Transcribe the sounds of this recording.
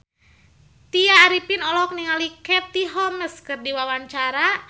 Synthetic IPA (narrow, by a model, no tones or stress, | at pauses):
t̪iaːɾipinɔlɔk̚niŋalikɛt̪iɦɔməskɨrdiwawaɲt͡ʃaɾa